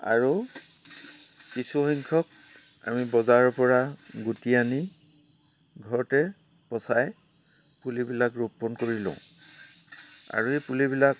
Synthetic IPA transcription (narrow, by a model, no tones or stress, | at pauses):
a̰ɹu | kisuxiŋkʰɔk̚ | a̰mibɔzaɹɔpɔɹaɡutiani | ɡʱɔɹtɛ | pɔsaj | pulibilakɹupːɔnkoɹilɔ̰̃ʊ̃ | a̰ɹuepulibilak